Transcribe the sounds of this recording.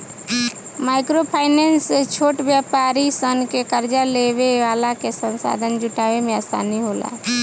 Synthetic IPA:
maɪkɾopʰaːɪneːnst͡ʃʰoːʈbjapaɾisənkekəɾd͡ʒaleweʋaːlakesə̃nsa̰ːd̪ʱənd͡ʒʊʈaʋemẽaːst̪a̰ːniɦoːla̰

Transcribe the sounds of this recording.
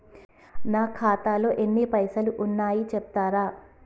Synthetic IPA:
naːkʰaːt̪aːloːʔe̞nːipɐjsɐluʔunːaːjit͡ʃep̚t̪aːɾaː

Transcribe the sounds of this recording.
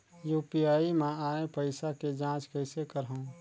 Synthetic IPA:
juːpiaːimãaːepəɪsaked͡ʒãːt͡ʃkəɪsekəɾɦəũ

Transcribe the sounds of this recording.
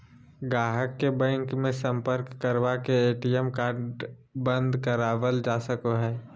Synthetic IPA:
ɡaːɦəkːebɛ̃ːŋkmẽsə̃mpəɾkːəɾʋakeeːʈiɛmkaːɾɖ | bə̃nd̪kəɾaːʋəld͡ʒaːsəkoɦɛː

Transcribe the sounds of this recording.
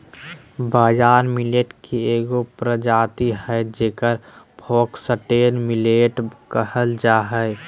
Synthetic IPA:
baːd͡ʒaːɾmileːʈkieːɡopɾəd͡ʒaːt̪iɦɛd͡ʒeːkəɾ | bʱoːksəʈeːnmileːʈkəɦəld͡ʒaːɦɛ

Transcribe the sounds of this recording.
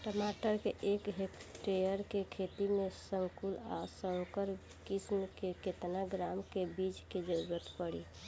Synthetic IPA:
ʈəmaʈəɾkeʔekɦekʈejəɾkekʰet̪imẽsəŋkulasəŋkəɾ | kismkeket̪naɡɾamkebid͡ʒked͡ʒəɾuɾət̪pəɽi

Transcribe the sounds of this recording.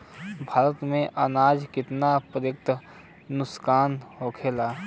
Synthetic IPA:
bʱaːɾət̪mẽʔənaːd͡ʒkɪt̪napɾjək̚t̪ʰ | nʊskaːnɦokʰeːlaː

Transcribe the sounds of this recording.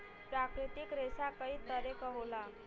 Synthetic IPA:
pɾakɾit̪ikɾesakəɦiːt̪əɾekəɦola

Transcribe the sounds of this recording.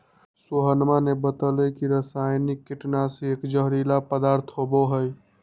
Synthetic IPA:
soɦənmanebət̪əlɛkiɾəsajnikːiʈnasẽekd͡ʒəɦɾilapəd̪aɾt̪ʰɦoboɦəj

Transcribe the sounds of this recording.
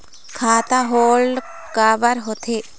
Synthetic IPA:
kʰaːt̪aɦoːlɖ | kaːʋɐɾɦot̪ʰeː

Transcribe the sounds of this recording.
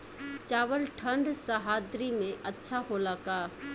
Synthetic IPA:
t͡ʃaːʋəlʈʰə̃ɳɖsaɦaːd̪ɾimẽʔɐtːʃʰaɦolaːkaː

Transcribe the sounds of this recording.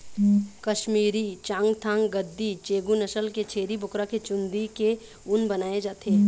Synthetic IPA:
kɐʃmiːɾit͡ʃãːŋɡt̪ʰãːŋɡɡəd̪ːit͡ʃeːɡunɐʃəlket͡ʃʰeːɾibʊkɾaket͡ʃʊ̃nd̪ike | ʊnbɐnaːed͡ʒaːt̪eeɛ

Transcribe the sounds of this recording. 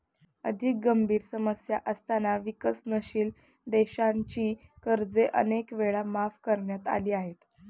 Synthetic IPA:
ə̰d̪ʱik̚ɡəmbʱiːɾsəməsjaʔəst̪anaʋikəsnəɕiːl | d̪eɕaɲt͡ɕiːkəɾd͡zeʔə̰nekʋeɭamafkəɾɳjat̪a̰liːaɦet̪

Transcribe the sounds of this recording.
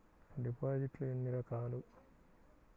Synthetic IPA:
ɖipaːd͡ʒiʈleinːiɾɐkaːlu

